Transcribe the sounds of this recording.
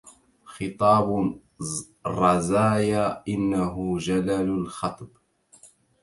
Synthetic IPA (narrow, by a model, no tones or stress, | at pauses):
xɨt̪ˤɑːb | ɾˤɑzaːjaːʔɪnːaɦʊd͡ʒalallxɑt̪ˤb